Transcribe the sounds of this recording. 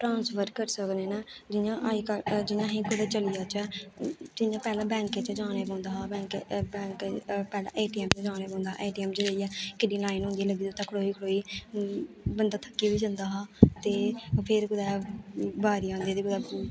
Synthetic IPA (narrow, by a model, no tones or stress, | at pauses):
ʈɾãːnsfəɾkəɾsəknẽːnaːd͡ʒɪjãːʔaiːkad͡ʒɪnãːɦĩːkʊd̪aːt͡ʃəlijaːt͡ʃɛːd͡ʒɪnjãːpɛːlãːbɛ̃ːŋket͡ʃd͡ʒãːneːbõːnd̪aːɦaːbɛ̃ːŋkbɛ̃ːŋkːpɛːlã̰ːʔeːʈiːɛːmt͡ʃd͡ʒãːneːpãːnd̪aːa̰ʔeːʈiːɛːmt͡ʃɾəiːɛːkɪɖiːlaːɪnʊ̃ːnd̪iːləɡiːd̪ʊt̪ːãːkʰəɽoːiːkʰəɽoːiː | bənd̪aːt̪ʰəkːiːbiːd͡ʒə̃nd̪aːɦaːt̪eːpʰɪɾkʊd̪ɛːbaːɾiːãːnd̪ieːt̪eːkʊd̪aː